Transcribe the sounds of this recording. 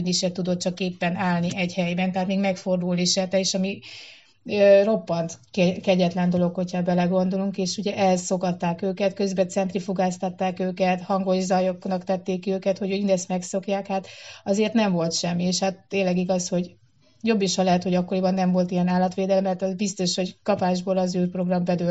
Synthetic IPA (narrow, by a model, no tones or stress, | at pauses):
niʃɛt̪ːud̪o̞t̪̚t͡ʃɒkeːpːɛnaːlniʔɛɟhɛjbɛnt̪ɛɦaːt̪meːɡmɛkfo̞rd̪ulliʃɛt̪ɛeːʃɒmi | øro̞pːɒnt̪kɛkɛɟɛt̪lɛnd̪o̞lo̞kho̞chɒbɛlɛɡo̞nd̪o̞luŋkeːʃuɟɛʔɛzso̞kɒt̪ːaːkøːkɛt̪kø̞zbɛt̪sɛnt̪rifuɡaːst̪ɒt̪ːaːkøːkɛt̪hɒŋɡo̞ʒzɒjoknɒkt̪ɛt̪ːeːkːiøːkɛt̪ho̞ɟøinɛst̪mɛkso̞kjaːkhat̪ɒzeːrt̪nɛɱvo̞lt̪ʃɛmːieːʃhat̪ːeːnlːɛɡiɡɒsho̞ɟ | jo̞bːiʃhɒlɛɦɛt̪hoɟɒkːo̞ɾibɒnːɛɱvo̞lt̪ijɛnaːlːɒt̪ʋeːd̪ɛlmːmɛrt̪ɒzbist̪o̞ʃho̞ɟkɒpaːʒboːlɒzyːrpro̞ɡrɒmbɛd̪ø